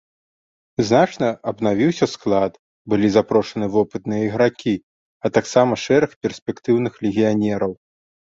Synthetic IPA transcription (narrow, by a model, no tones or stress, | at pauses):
znat͡ʂnɐɐbnavʲiwsʲɐsklˠat̪ | bɨlʲizapɾɔʂɐnɨvɔpɨt̪nɨjɐiɣɾakʲi | ɐt̪aksamɐʂɛɾɐxpʲɛrsʲpʲɛkt̪ɨwnɨxlʲɪɣʲijanʲɛɾɐw